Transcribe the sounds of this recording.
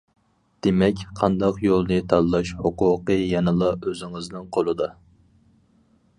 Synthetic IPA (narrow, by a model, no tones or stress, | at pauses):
d̪̥emɛkʲqʰɑnd̪ɑqjolˠnɨt̪ʰɑllːˠɑʃhuqʊqɨjɛnɨlˠɑøzɪŋɨznɨŋqʰolˠɨd̪ɑ